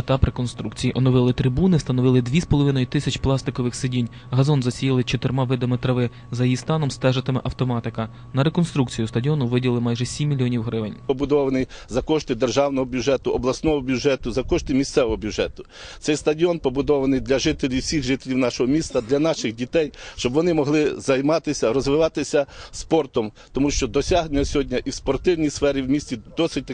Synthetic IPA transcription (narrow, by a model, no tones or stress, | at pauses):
ɐt̪ɑpɾekɔnst̪ɾukt͡sʲijiʔɔnɔʋɪlˠɪt̪ɾɪbunɪwst̪ɐnɔʋɪlˠɪd̪ʲʋʲispɔlˠɔʋɪnɔjʊt̪ɪsʲɐt͡ʃplˠɑst̪ɪkɔʋɪxsɪdʲinʲ | ɦɐzɔnzɐsʲijilˠɪt͡ʃɔt̪ɪɾmɑʋɪd̪ɐmet̪ɾɐʋɪ | zɐjijist̪ɑnɔmst̪ɛʒɪt̪ɪmɪʔɐwt̪ɔmɑt̪ɪkɐ | nɐɾekɔnst̪ɾuk̚t͡sʲijʊst̪ɐdʲiɔnʊʋɪdʲilˠɪmɑjʒɛsʲimʲːilʲiɔnʲiwɦɾɪʋɪnʲpɔbʊd̪ɔʋɐnɪjzɐkɔʃt̪ɪd̪erʒɑwnɔɦɔbʲjuʒɛt̪ʊɔblˠɐsnɔɦɔbʲjuʒɛt̪ʊzɐkɔʃt̪ɪmʲissɛʋɔɦɔbʲjuʒɛt̪ʊ̥ | tt̪ɛjst̪ɐdʲiɔnpɔbʊd̪ɔʋɐnɪjd̪lʲɐʒɪt̪elʲiwsʲiɣʒɪt̪elʲiwnɑʃɔɦɔmʲist̪ɐd̪lʲɐnɑʃɪxdʲit̪ɛjʃt͡ʃɔbʋɔnɪmɔɦlˠɪzɐjmɑt̪ɪsʲɐɾɔzʋɪʋɑt̪ɪsʲɐspɔrt̪ɔmt̪ɔmuʃt͡ʃɔd̪ɔsʲɑɦnʲʊnʲːɐsʲɦɔdʲnʲɐʔiwspɔrt̪ɪwnʲijsfɛɾʲiwmʲisʲt͡sʲid̪ɔsɪt̚ʲt̪